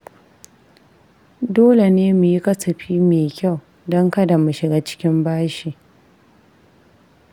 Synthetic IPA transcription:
doː˦le˨neː˦mu˨ji˦kɐ˦sɐ˨ɸiː˦meː˨kʲa˦˨w | dɔ˦ŋkɐ˦da˨mu˨ʃɪ˨ɡaː˦t͡ʃɪ̥˦kʲɪ˦mbaː˦ʃi˨

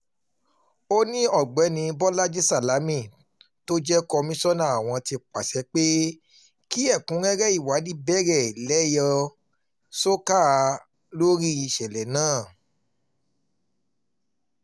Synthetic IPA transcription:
o˦nĩ˦ɔ˦˨ɡ͡bɛ˨˦nĩ˧bɔ˦la˦d͡ʒi˦sa˦˨la˨˦mĩ˦˨ | to˦d͡ʒɛ˦kɔ˧mĩ˦sɔ˦nã˦˨a˨w̃ɔ̃˧ti˧k͡pa˨sɛ˨˧˦k͡pe˦ | ki˦ɛ˦˨kũ˨˦ɡɛ˦ɾɛ˦i˦˨wa˨˦di˦bɛ˦˨ɾɛ˨lɛ˦jɔ˧ | so˦ka˦˨˧ | lo˦ɾi˦i˧ʃɛ˨lɛ˨nãː˦˨

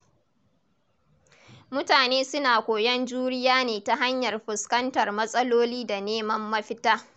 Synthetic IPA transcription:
mʊ˦taː˨neː˦sʊ˦naː˨kʷoː˨jɐ˦nd͡ʒuː˦ɾɪ˦jaː˦neː˨ta˦ɦa˦ɲjɐ˨rɸɪ˨skɐ˦ntɐ˨rmɐ˦sʼɐ˦loː˦liː˦da˨neː˦mɐ˦mːɐ˦ɸɪ˦taː˦

